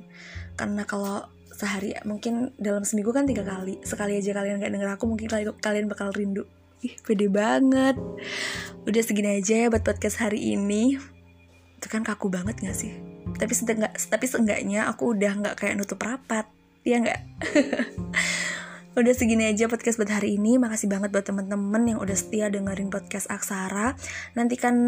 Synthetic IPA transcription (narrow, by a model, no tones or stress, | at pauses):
ka̰rnakalo | səɦaɾija̰muŋkɪndalamsəmiɡukant̪iɡakalisəkaliad͡ʒakalianŋɡaʔdəŋəɾakumuŋkɪnkakalianbakalrindʊʔ | ɪhpedɛbaŋət̪̚ | udahsəɡinaad͡ʒajabat̪̚pɔt̪̚kɛshaɾiʔḭni | t̪ukankakubaŋət̪̚ŋɡaʔsɪht̪apisət̪əŋɡaʔsə̥t̪apisəŋɡa̰ʔɲaʔa̰kuːdahŋɡa̰ʔkajaʔnut̪ʊpəɾapat̪̚ | jaŋɡa̰ʔ | udahsəɡinad͡ʒapɔt̪̚kɛsbut̪̚haɾiːnimakasɪhbaŋət̪̚buat̪ːəmənt̪əmənjaŋṵdahsə̥t̪iadəŋəɾɪŋpɔt̪̚kɛsaksaɾanant̪ikan